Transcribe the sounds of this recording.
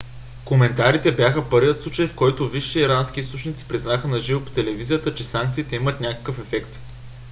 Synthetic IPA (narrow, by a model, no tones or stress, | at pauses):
komɛnt̪aɾit̪ɛbjaxəpɤɾviət̪sut͡ʃəjfkɔjt̪oviʃɛːɾansk̟ʲiist̪ot͡ʃnit̪si̥pɾiznaxənɐʒivopo̥t̪ɛlɛvizijət̪ət͡ʃɛsaŋk̚t̪siːt̪ɛimət̪nʲakə̥kəfɛfɛkt̪